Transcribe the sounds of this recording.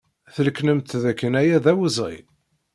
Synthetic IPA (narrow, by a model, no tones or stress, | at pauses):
θəlknəmt̪ðækːənæjæðæwəzˤḭ